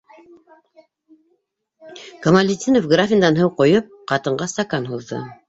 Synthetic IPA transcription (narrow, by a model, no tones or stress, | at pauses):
kɐmalʲɪt̪ʲinofɡrafʲɪnd̪ɑnɦɤwqojɤp̚qɑt̪ɤ̆ɴɢɑst̪ɑkanɦuðːɤ̰